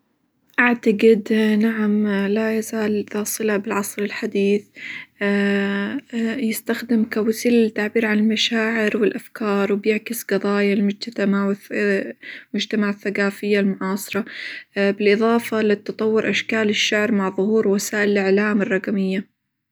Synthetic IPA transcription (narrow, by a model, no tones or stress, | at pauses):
ʔaʕt̪aɡɪd̪naʕamlajazaːlθɑːsˤɨlabɪlʕɑsˤɾɪlħad̪iːθ | jɪst̪axd̪ɪmkawziːlɪt̪ːaʕbiːɾʕanɪlmaʃaːʕɪɾwɪlʔafkɑːɾˤwɪbjɪʕkɪsqɑðˤɑːjalmʊd͡ʒt̪at̪amawɪ | mʊd͡ʒt̪amaʕaθːaqaːfɪjːalmʊʕɑːsˤɨɾˤɑbɪlʔɨðˤɑːfɑlɪt̪ːɑt̪ˤɑwːʊɾʔaʃkaːlɪʃːaʕɾmaʕðˤʊhuːɾwasaːʔɪlʔɪʕlaːmɪrˤːɑqamɪjːa